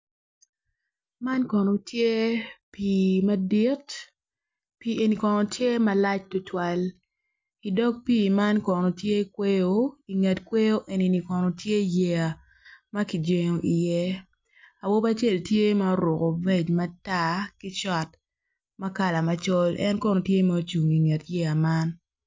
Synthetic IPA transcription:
ma˦nkɔ˨no˨tje˦pi˨ma˦di˦t | pi˨e˨ni˨kɔ˨no˨tʰje˦ma˦la˦t͡ʃtʊ˦twa˦l | i˨dɔ˦k̚pi˦ma˦nkɔ˨no˨tje˦kwe˦jo˦i˨ŋe˨tkwe˦jo˦ʔe˨ni˨ni˨kɔ˨no˨tje˦je˨a˨ | mɐ˦ki˨d͡ʒe˦ŋo˦ʔi˨jɛ˦ | a˨wo˦ba˦t͡ʃe˦˨ltje˦ma˦o˦ɾʊ˨ko˨be˦d͡ʒma˦ta˦ki˦t͡ʃɔ˦t̚ | mɐ˦ka˨la˨ma˨t͡ʃo˦lʔɛ̰˦nkɔ˦no˨tje˦ma˦o˦t͡ʃu˨ŋi˨ŋe˨tje˦a˨ma˦n

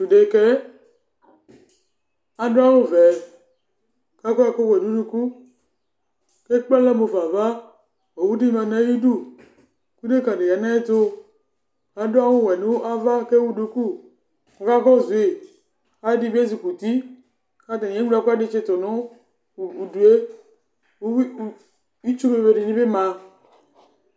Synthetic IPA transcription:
u˨de˨ke˦ | a˨do˦a˦wo˦vɛ˨ | ka˦kɔ˦a˨ko˦we˨nũ˦nũ˦ku˦ | ke˦k͡pɛ˦le˦mo˨va˨va˦ | o˨wu˦di˦mã˨nɛ̃˨˦ju˦du˦˨ | ku˦de˦ka˨ɖe˨ja˨nã˦e˦t̪o˦ | a˨˦do˦a˦wu˦˨wɛ˨nu˦ʔa˦va˦ke˦wu˦du˨˦ku˦ | ko˨ka˦kɔ˦˨zu˨e˨ | a˨˦di˦˨bi˦e˦zi˨ku˨ti˦ | ka˦ta˨e˨˦a˨˦ku˦a˦di˦t͡ʃe˦to˨nu˦˨ | u˨du˨e˦ | i˦t͡ʃu˦be˦˨ve˨di˨nĩ˦be˦ma˨

